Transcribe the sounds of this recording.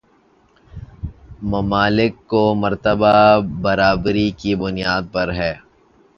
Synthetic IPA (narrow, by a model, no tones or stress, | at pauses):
mɐmaːlɪkːomɐɾt̪əbabɐɾaːbɾikibʊnijaːd̪̚pɐɾɦɛː